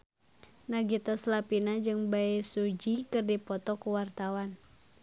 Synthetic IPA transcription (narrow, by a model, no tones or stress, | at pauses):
naɡit̪aslapinad͡ʒɨŋbaesud͡ʒikɨrdipɔt̪ɔkuwart̪awan